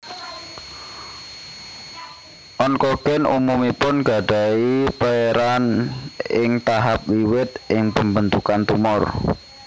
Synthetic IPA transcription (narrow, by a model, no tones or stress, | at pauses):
ʔɔnkɔɡ̥ɛnumumipʊnɡ̥a̤ɖ̥a̤ipəeɾan | ɪŋt̪aɦap̚wiwɪt̪̚ʔɪŋpəmbənt̪ukant̪umʊr